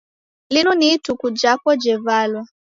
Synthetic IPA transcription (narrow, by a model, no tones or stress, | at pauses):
linunitukud͡ʒakɔd͡ʒɛvalwa